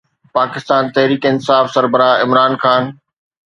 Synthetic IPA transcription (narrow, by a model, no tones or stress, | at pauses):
paːkɪst̪aːnt̪ɐɦɾiːkɪnsaːfsɐɾbəɾaːɪmɾaːnxaːn